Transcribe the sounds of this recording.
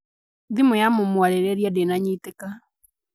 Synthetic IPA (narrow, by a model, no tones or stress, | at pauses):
ðimojamomwaɾeɾɛɾjadenaɲiteka